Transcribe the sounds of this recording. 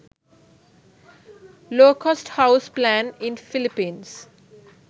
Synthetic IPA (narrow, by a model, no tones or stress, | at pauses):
loːkʰɔsʈhaʊsplæ̃nɪ̃nfɪlipĩːns